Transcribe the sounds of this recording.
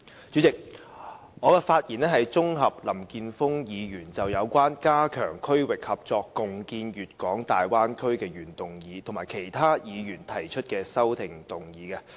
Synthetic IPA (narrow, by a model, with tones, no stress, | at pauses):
t͡ʃyː˨˥t͡sɪ˨k̚ | ŋɔː˨˧kɛ˧faː˧t̚jiː˨˩nɛː˥ɦɐ˨jt͡ʃʊ˥ŋɦɐ˨p̚lɐ˨˩mkiː˧nfʊ˥ŋjiː˨˧jyː˨˩nt͡sɐ˨wjɐ˨˧wkʷwaː˥nkaː˥kʰœː˨˩ŋkʰɵ˥ɥwɪ˨k̚hɐ˨p̚t͡sɔː˧kːʊ˨ŋkiː˧njyː˨t̚kɔː˨˥ŋt̪aː˨jwaː˥nkʰɵ˥ɥkɛː˧jyː˨˩nt̪ʊ˨ŋjiː˨˧t̪ʰʊ˨˩ŋmaː˨˩jkʰe˨˩jt̪ʰaː˥jiː˨˧jyː˨˩nt̪ʰɐ˨˩jt͡ʃʰɵ˥t̚kɛː˧sɐ˥wt̪ʰɪ˨˩ŋt̪ʊ˨˩ŋjiː˨˧kɛ˧